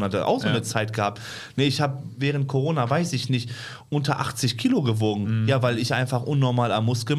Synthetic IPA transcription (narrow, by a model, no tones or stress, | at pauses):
nhatəʔa̰ʊxz̥oːmnət͡saɪtɡ̥əhaːp̚t | nəɪçhaːbəvɛːʁ̞ənt̚kʰoʁoːnavaɪsɪçnɪçt | ʔʊntɐʔa̰χt͡sɪçkʰiːloɡəvoːɡŋ̩jaːvaɪlɪçʔa̰ɪnfaχʔʊnːɔɐmaːla̰mːʊskə